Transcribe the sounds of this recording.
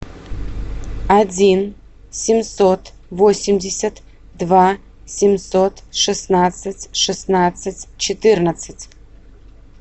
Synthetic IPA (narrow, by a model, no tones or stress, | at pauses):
ad͡zʲin | sʲɪmsot̪ | vosʲɪmdʲɪsʲɐt̪ | d̪va | sʲɪmsot̪ʂɨsnat̪sɨtʲʂɨsnat̪sɨtʲt͡ʃɪt̪ɨrnət̪sɨtʲ